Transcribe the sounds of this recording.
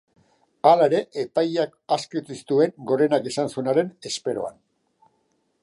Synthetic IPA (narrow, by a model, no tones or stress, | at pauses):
alae̞ɾe̞ʔepajakaskit͡s̪isi̥t̪ue̞ŋɡo̞ɾe̞nake̞sansuenaɾe̞ne̞spe̞ɾo̞̰a̰n